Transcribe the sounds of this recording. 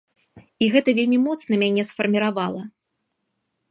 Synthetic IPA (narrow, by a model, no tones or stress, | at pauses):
iɣɛt̪ɐvʲelʲmʲimɔt̪snɐmʲanʲɛsfɐrmʲiɾavalˠɐ